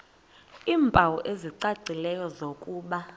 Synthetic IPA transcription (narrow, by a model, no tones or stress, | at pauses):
iːmbʱawɔʔeziǀaǀʱilɛjɔzokʼuːɓa